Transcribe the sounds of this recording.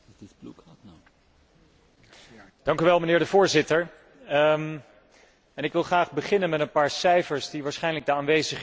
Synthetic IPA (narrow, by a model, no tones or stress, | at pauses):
dɪtbluk | d̥ɑŋkyʋɛlˠmənɪːɹdəvʊːɹzɪtəɹ | ɛnɪkʋɪlˠχraːχbəχɪnənmɛtənpaːɹsɛjfəɹszdiʋaːɹsχɛjnləɡ̚dəaːnʋejzəχ